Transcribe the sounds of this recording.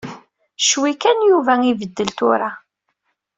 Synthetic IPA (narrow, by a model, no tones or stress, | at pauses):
ʃwikænjuvæivəd̪ːəlt̪ʊɾa